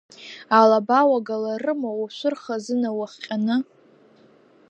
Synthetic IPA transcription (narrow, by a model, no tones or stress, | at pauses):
alabawaɡalarɨmowaʃʷʊrχazɨnawaχʲqʲʼanɨ